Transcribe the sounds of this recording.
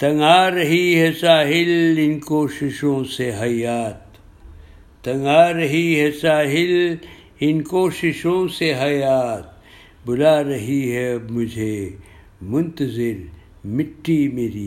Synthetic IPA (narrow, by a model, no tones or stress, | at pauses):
t̪ɐ̃ŋɡaːɾɐɦiɦɛsaːɦɪlɪnkoːʃɪʃõːseɦɐjaːt̪ | ɐ̃ŋaːɾɐɦiɦɛsaːɦɪl | ɪnkoːʃɪʃõseɦɐjaːt̪̚ | bʊlaːɾɐɦiɦɛmʊd͡ʒʱe | mʊ̃nt̪əzɪɾ | mɪʈːimeːɾiː